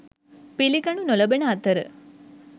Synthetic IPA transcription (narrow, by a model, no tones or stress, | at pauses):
piliɡɐɳunolɐbenəɐt̪ɐɾə̰